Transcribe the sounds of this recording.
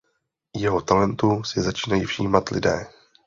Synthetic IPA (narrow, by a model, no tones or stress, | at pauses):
jɛɦot̪alɛnt̪usɪzat͡ʃiːnajiːfʃiːmat̪lɪ̰dɛ̰ː